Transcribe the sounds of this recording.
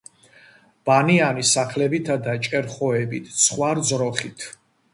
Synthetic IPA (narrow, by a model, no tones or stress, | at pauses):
b̥anianisaχlɛbit̪ʰad̪at͡ʃʼɛɾχɔɛbit̪ʰsχwaɾd̪zɾɔχit̪ʰ